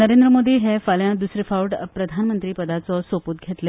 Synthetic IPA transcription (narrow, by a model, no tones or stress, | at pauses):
nəɾend̪ɾəmod̪ʱiːɦefaljãd̪usɾifauʈpɾəd̪ʱanmənt̪ɾiːpəd̪at͡sɔsoput̪̚ɡʱet̪le